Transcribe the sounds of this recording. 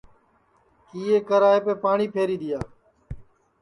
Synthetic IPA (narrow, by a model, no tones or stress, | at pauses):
kiːeːkəɾaːɦeːpeːpaːɳiːpʰeːɾiːd̪ɪjaː